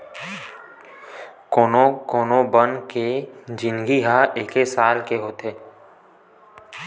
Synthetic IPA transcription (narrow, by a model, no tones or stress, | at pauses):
koːnokoːnobənked͡ʒɪ̃nɡiɦaʔeːkesaːlkeɦoːt̪ɦeː